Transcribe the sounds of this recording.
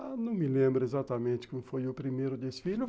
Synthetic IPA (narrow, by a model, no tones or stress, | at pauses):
anɐ̃w̃mɪlẽmbɾɐezat̪ɐmẽnt̪ɪ̥kõmʊfojʊpɾimejɾʊd̪esɪ̥filʊ